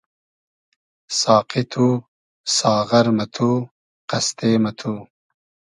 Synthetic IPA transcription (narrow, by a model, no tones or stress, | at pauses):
sɑːqit̪ʰuː | sɑːɣɐɾmɐt̪ʰuː | qɐst̪eːmɐt̪ʰuː